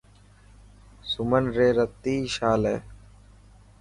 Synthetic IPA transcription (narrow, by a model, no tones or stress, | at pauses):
sʊmənɾeːɾət̪ːiːʃaːlḛː